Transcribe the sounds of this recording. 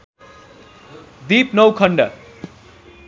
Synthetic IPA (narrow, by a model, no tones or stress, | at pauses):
d̪iːpnʌwkʰʌɳɖʌ